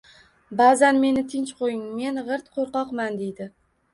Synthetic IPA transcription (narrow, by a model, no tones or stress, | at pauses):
bazanme̞nɪt̪ʰɪnt͡ʃqʰojɪŋme̞nʁɨɾt̪qʰoɾqɒqmand̪e̞jd̪ɪ